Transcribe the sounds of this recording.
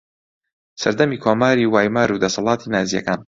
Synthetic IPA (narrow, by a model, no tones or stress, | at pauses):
sɐɾd̪ɐmiːkʰoːmaːɾiːwaːjmaːɾud̪ɐsɑlˠɑːt̪ʰiːnaːzijɐ̰kaːn